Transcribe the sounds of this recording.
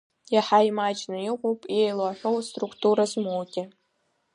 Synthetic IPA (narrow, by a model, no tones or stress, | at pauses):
jaħajmad͡ʒnaiqʷʼowpʼejlaħᶣʷo̞wstʼrukʰtʰʼuɾazmowɡʲɪ